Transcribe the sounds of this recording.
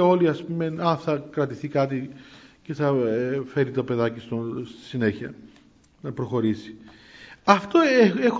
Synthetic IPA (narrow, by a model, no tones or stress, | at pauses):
eo̞liɐspumenɐnθɐkɾɐt̪iθikɐt̪̬iceθɐfe̞ɾit̪o̞pe̞ðɐcist̪ost̪i̥sine̞çiɐ̰ | nɐpɾo̞xo̞ɾisi̥ | ɐft̪o̞ex